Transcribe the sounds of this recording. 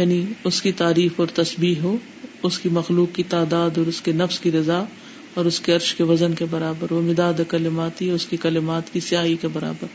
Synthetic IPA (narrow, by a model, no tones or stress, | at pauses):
jaːniʊskit̪aːɾiːfɔːɾt̪ɐsbiːɦɦoː | ʊskimɐxluːkːit̪aːd̪aːd̪ɔːɾʊskenɐfskiɾɪza | ɔːɾʊskeɐɾʃkeʋɐzənkebɐɾaːbəɾʋomɪd̪aːd̪ekɐlɪmaːt̪iʊskikɐlɪmaːt̪kisɪjaːɦikebɐɾa̰ːbəɾ